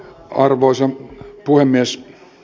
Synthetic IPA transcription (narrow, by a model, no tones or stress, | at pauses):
ɑrʋoisepuhemːies